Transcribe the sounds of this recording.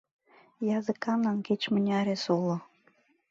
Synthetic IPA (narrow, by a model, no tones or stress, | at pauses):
jɑzəkɑnɑnket͡ɕmə̆nʲɑɾesulŏ